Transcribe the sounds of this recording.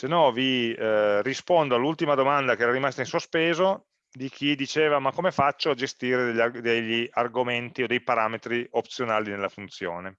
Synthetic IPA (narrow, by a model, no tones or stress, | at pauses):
senɔvi | rispond̪oalːult̪imad̪omand̪akeɛɾaɾimast̪ainsospeːzo | d̪ik̟ʰid̪it͡ʃeːvamakːomefat͡ʃːoad͡ʒest̪iːɾed̪ʎːad̪eʎːiarɡoment̪iod̪ejpaɾaːmet̪ɾiop̚t̪sjonaːlinelːafunt̪sjo̰ːne